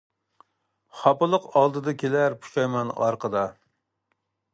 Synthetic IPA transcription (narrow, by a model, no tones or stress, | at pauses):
χɑpɨlˠəqɑlˠd̪ɨd̪ɨkʲʰelæɾpʰu̥ʃɛjmɛnɑ̰ɾqəd̪ɑ